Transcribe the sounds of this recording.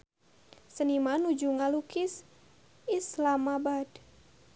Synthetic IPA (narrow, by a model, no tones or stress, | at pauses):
sənimanud͡ʒuŋalukis | islamabad